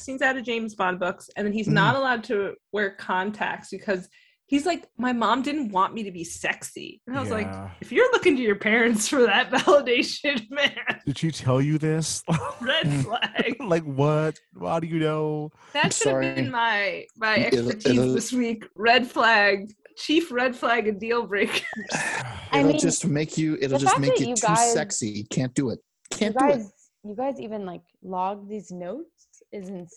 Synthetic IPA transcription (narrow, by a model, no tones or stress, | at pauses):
sĩnzaʊɾɨd͡ʒẽɪ̃mzbɑ̃nbʊksɨ̃nðɨ̃niznəɾəlaʊd̚tʰɨwɛɹkʰɑ̃ntʰæ̰k̚tsb̥ɨkʰʌz̥ | hizlaɪkmaɪmɑ̃mdɪdⁿn̩ʔwɑ̃nmiɾɨbisɛksḭɨ̃naɪwʌzlaɪkɨfjə˞lʊkɪ̃ŋtɨjə˞pʰɛɹɨ̃ntsfə˞ðɨt̚vælˠədeɪʃɨ̃nmænd̥ɨd̥itʰɛlˠjɨðɪsɹɛd̥flæɡ̥̚laɪkwʌt̚a̰ʊɾɨjɨnoʊ | ðɨtmʃsʊɾɨɑɹibɨ̃nmaɪmaɪɛkə˞tʰĩðɪswikɹɛd̥flæɡ̚t͡ʃʰifɹɛd̥flæɡɨ̃ndilˠbɹeɪk | ɪɾl̩ˠd͡ʒʌstmeɪkʰjɨʔɪɾl̩ˠd͡ʒˠʌsmeɪjɨjɨtʰauɪsɛksikʰæ̃nd̥ɨɪt̚ | kʰæ̃nɡdaɪz | jɨɡaɪzivɨ̃nlaɪklɔɡ̚ðiznoʊts | ɪzɨ̃n̩